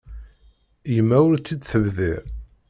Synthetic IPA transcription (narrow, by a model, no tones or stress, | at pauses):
jəmːæʊɾt͡sːid̪θəvðḭ